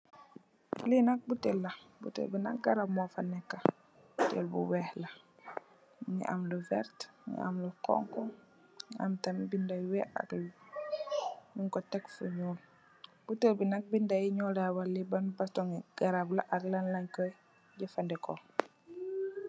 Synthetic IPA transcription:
linak̚butelːa | bṵtḛlbina̰k̚ɡaɾabmɔfanɛkːa | butḛlbṵwɛhla | ŋḭʔa̰mluvɛ̰ɾtɲḭa̰mlukɔ̰ŋkɔ | ɲa̰mtambindajwɛa̰kl | niŋkɔtɛkfuɲuːl | b̥utelbinak̚bindajiɲɔlawalːibanbastɔŋɡ̥aɾablaʔaɡlanlaɲkɔj | ɟifandɛko

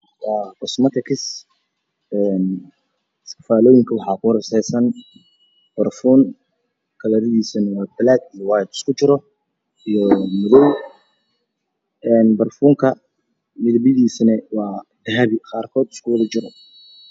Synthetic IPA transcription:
wɑːqɔsmɐt̪ʰɛkʰɪs | ɛːn | ɪskɐ̥faːlɔːjɪŋkʰɐwɑħɑːkʰʊrɐsɛjsɐn | b̥ɐrfuːŋ | kʰɐlɐɾɪðiːsɐnɐwɑːbɐlaːd̪ijɔwaːjd̪ɪ̥skʰʊt͡ʃɪɾɔ | ijɔmʊðɔw | ɛːnbɐrfuːŋkʰɐ | mɪðɐbjɐðiːsɐnɛwɑːd̪ɐɦɐβɪqɑːrkʰɔːd̪ɪ̥skʰulʊt͡ʃɪɾɔ

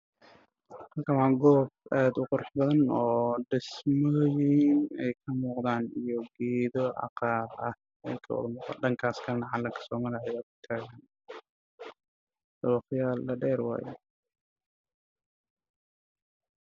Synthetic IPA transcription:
hɐkʰɐwaːɡɔːb̚aːd̪ʊqʊɾɑħbɐðɐnɔːɖɪsmɔːjɪnɛjkʰɐmuːqd̪aːnijɔɡɛːðɔɑ̰qɑːlʔɐh | ɛ̰jkʰɐw̰ðmuːqa̰ːɖɐŋkʰaːskʰɐnɑʕɑlːɐŋkʰɐ̥sɔːmɐlaʕɛwaːkʰʊ̥t̪ʰaːɣaːn | d̪̥ɐwɑχjaːlːɐɖɛːɾwɑ̰ːjɛ

